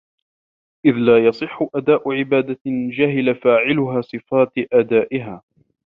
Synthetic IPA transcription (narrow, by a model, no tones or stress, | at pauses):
ʔɪðlaːjɑsˤɨħːʊʔad̪aːʔʊʕɪbaːd̪ad͡ʒaɦɪlafaːʕɪlʊɦaːsˤɨfaːt̪ʔad̪aːʔɪɦaː